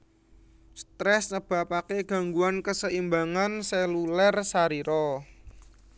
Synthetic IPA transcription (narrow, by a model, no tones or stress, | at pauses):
st̪ɾɛsɲəb̥a̤pakeɡ̥ä̤ŋɡuankəsəimbaŋanselulɛrsaɾiɾɔ